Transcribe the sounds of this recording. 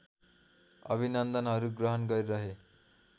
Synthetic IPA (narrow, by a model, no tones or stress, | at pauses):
ʌ̰bʱinʌnd̪ʌnɦʌɾuɡrʌɦʌnɡʌɾiɾʌɦe